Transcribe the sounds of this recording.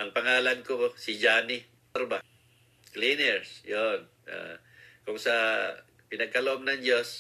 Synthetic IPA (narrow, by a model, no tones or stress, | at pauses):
ʔɐŋpaŋaːlankobosid͡ʒani | ɾba | klinɛɾsjon | a̰ | kʊŋsa | pɪnɐɡ̚kaloʔob̚naŋd͡ʒos